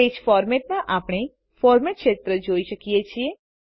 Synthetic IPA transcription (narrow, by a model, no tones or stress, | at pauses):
ed͡ʒfɔɾmeʈ̚nãʔapəɽ̃e | fɔɾmeʈʃet̪ɾəd͡ʒoiʃəkijet͡ʃʰie